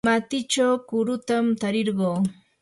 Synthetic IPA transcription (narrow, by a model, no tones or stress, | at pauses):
mat̪ɪt͡ʃawkʊɾʊt̪amt̪aɾɪɾɢoː